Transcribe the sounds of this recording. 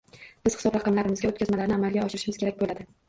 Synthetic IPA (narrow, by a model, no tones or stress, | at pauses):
b̥ɪz̥hɪ̥sɒbɾɑqɑmlaɾɪmɪzɡʲaot̪̚kʰʲazmalaɾnɪamalɡʲaɒʃɪɾɪʃɪmɪz̥kʰʲeɾak̚ʲbolad̪ɪ